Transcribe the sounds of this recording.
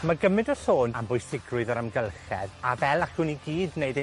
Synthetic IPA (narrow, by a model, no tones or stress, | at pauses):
maɡəmɨndɔsoːnambʊjsɪɡrʊɨðɔɾamɡəlˠχɛ̰ðavɛlˠakʊːniɡiːdneɨd